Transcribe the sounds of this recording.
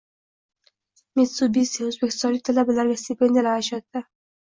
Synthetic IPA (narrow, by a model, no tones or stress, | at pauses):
met̪subisiozbekʲɪ̥st̪ɔɾit̪ʰalabalaɾɡast̪ipend̪alaaʃat̪ːa